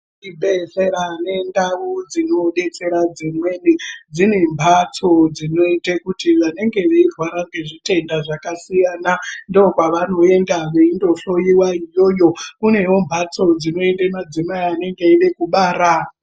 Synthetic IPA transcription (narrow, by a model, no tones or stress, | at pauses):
ibʱeseɾane̞ndaud͡zino̞ɗe̞t͡se̞ɾad͡zimwe̞nid͡zine̞mbʱat͡so̞d͡zino̞itekutiʋane̞ŋɡe̞ʋeirwaɾaŋɡe̞ʐite̞ndaʐakasijaːnandeokwaʋano̞e̞ndaʋeindo̞ɬo̞jiwaijo̞jo̞kune̞wo̞mbʱat͡so̞d͡zino̞e̞ndemad͡zimaiane̞ŋɡeeɗekuɓaːɾa